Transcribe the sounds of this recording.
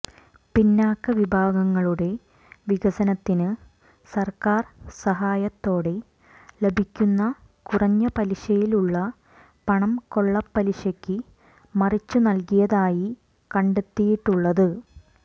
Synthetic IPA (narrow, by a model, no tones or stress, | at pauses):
pinːaːkːɐʋibʱaːɡɐŋːɐɭuɽe̞ | ʋiɡɐsɐnɐt̪ːinɨ | sɐrkaːrsɐɦaːjɐt̪ːo̞ːɽe̞ | le̞bʱikʲːunːɐ | kurɐɲːɐpɐliɕɐjiluɭːɐ | pɐɳɐmko̞ɭːɐpːɐliɕɐkʲːɨ | mɐrit͡ɕːunɐlkijɐðaːji | kɐɳɖet̪ːijiʈːuɭːɐðɨ